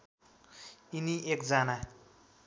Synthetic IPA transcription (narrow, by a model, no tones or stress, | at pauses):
iniʔekd͡zana